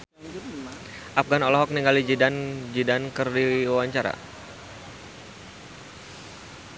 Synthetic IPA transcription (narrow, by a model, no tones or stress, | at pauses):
ʔap̚ɡanɔlɔɦɔk̚niŋɡalid͡ʒidand͡ʒidankɨrdiwawaɲt͡ʃaɾa̰